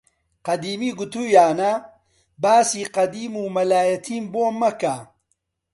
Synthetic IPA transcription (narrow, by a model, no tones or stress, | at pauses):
qɐd̪iːmiːɡut̪uːjaːnɐ | baːsiːqɐd̪iːmuːmɐlaːjɐt̪ʰiːmboːmːɐka